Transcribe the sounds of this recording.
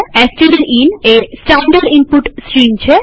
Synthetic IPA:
ɛsʈiɖeɾinesʈaɳɖaɾimpuʈsɾimt͡ɕʰe

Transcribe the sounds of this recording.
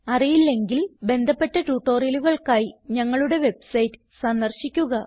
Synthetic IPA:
ɐrijilːe̞ŋɡilbe̞nd̪ʱɐpːe̞ʈːɐʈuːʈːo̞ːrjiluɣɐɭkaːjiɲɐŋːɐɭuɽe̞ʋe̞bsɐjtːɨ̥ | sɐnd̪ɐrɕikʲːuɣɐ

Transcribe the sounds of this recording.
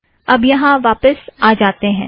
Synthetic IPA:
ɐbjɐɦãʋaːpəsaːd͡ʒaːt̪eɦɛ̰̃ː

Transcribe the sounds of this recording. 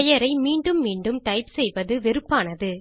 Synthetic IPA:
jɐɾɐɪmiːɳɖɯmːiːɳɖɯmʈɐɪpsɛjʋɐðɯʋɪɾɯpːaːnɐðɯ

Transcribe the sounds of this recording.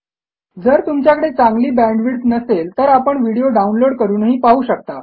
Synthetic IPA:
d͡zəɾt̪umt͡ɕjakəɽet͡sãŋɡliːbæ̃ɳɖʋiɽt̪nəselt̪əɾapəɳʋiɽijoɖaunloɽkəɾuːnəɦiːpaɦuːɕək̚t̪a

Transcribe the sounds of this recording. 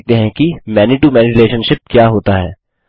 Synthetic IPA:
k̚t̪eɦɛ̃kimɛːnɪʈumɛːniɾɪleːʃənʃɪp̚kjaːɦoːt̪aɦɛ̰ː

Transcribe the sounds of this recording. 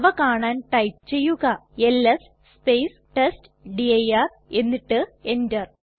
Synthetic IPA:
ʋɐkaːɳaːnʈɐjpt͡ɕe̞jːuɣɐelːɐs | spejsʈest | ɖiɐjar | e̞nːiʈːɨe̞ndɐr

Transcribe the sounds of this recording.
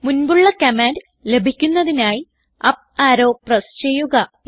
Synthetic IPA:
munbuɭːɐkɐmaːnd | le̞bʱikʲːunːɐðinaːji | ɐp̚aːɾo̞ːprɐst͡ɕejuɣɐ

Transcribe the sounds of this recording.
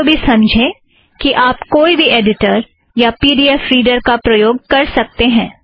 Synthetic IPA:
bʱisɐ̃md͡ʒʱẽː | kiʔaːpkoːibʱiʔeːɖɪʈəɾ | japiːɖiɛfɾiːɖəɾkapɾɐjoːɡ̚kɐɾsɐk̚t̪eɦɛ̃ː

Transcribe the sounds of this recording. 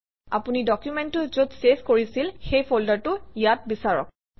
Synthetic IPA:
a̰punidɔkjumɛntʊzotseskoɹisilxejpʰoldaɹtʊjat̚bisaɹɔ̰k̚

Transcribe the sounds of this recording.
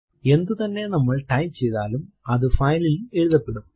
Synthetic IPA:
e̞nd̪ut̪ɐnːe̞nɐmːɐɭʈɐjt͡ɕe̞jðaːlum | ɐðɨfɐjlile̞ɻuðɐpːe̞ɽum

